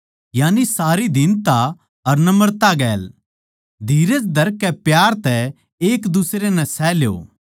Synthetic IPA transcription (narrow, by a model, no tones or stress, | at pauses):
jaːnisaːɾid̪ɪnt̪a | ɐɾnɐməɾt̪aɡɛːl | d̪ʱiːɾed͡ʒd̪ʱɐɾkːɛpjaːɾt̪ɛ | eːkd̪usɾenɛ̃sɛːljo̰ː